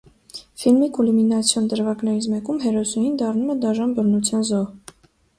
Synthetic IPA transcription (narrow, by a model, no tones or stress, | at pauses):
filmikuluminɑt͡sʰjɔnd̪əɾvɑɡnɛɾit͡smɛkumɦɛɾɔsujind̪ɑrnumɛd̪ɑʒɑnbərnut͡sʰjɑnzɔh